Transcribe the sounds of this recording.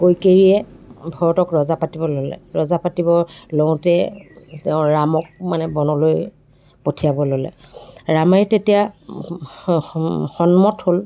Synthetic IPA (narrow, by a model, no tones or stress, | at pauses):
kojkeɹiɛbʱɔɹɔtɔkɹɔzapatibɔlolɛ̰ɹɔzapatibɔlɔw̃tɛtɛʊ̃ɹamɔk̚manɛbɔnɔloj | potʰijabɔlolɛ̰ | ɹamɛtetija | xɔnmɔthol